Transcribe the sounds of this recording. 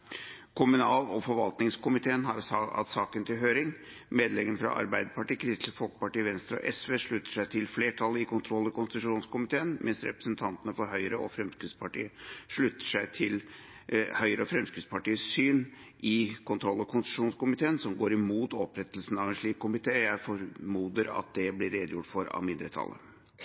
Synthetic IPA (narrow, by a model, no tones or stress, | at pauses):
kʰʊmʉnɑːlɔfɔɾʋɑlt̪nɪŋskʰʊmɪt̪ʰeːənɦɑɾɑ̰t̪sɑːkənt̪ɪlɦøːɾɪŋ | meːd̪lɛɡənəfɾɑ̰ʔɑ̰ɾbæɪd̪əpʰɑʈiːkʰɾɪst̪fɔlk̚pɑʈiːəʋɛnst̪ɾɔ̰ʔɛsʋeːʂɭʉt̪ːə̥ʂæɪt̪ʰɪlfleːʈʰɑlːəɪkʊnt̪ʰɾɔlːɔkʊnst̪ɪt̪ʉʂuːnskʊmɪt̪ʰeːənmʔɛnsɾɛ̰pɾəsənt̪ʰɑnt̪ənəfɔɾɦœʏɾəʔɔ̰fɾɛmskɾʉd̪spɑʈḭːəʂɭʉt̪ːə̥ʂæɪt̪ʰɪl | hœʏɾəɔfɾɛmskɾʉd̪spɑʈiːəssyːn | ʔɪkʰʊnt̪ʰɾɔlːɔkʰʊnst̪ɪ̥ʂuːnskʊmɪt̪ʰeːənsɔmɡoːɾɪmuːt̪ɔpɾɛt̪ːəlsn̩ɑʋɛnʂɭiːkːʊmɪt̪ʰeːjæɪfɔɾmuːd̪əɾɑ̰t̪̚d̪ɛblɪɾeːd̪əjʊʈːfɔɾɑ̰ʋmɪnd̪ɾət̪ʰɑ̰lːə̰